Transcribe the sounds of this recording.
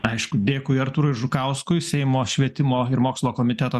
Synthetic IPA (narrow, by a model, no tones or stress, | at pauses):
ɐɪʃkʊd̪ʲeːkʊɐɾt̪uːɾoɪʒʊkɐʊskʊɪsʲɛɪmoːʃʲʋʲiɛt̪ʲɪmoːɪɾmoːkslˠoːkoːmʲɪt̪ʲɛt̪oː